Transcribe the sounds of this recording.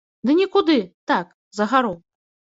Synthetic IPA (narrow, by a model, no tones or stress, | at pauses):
d̪ɨnʲikud̪ɨt̪ak | zɐɣaɾɔw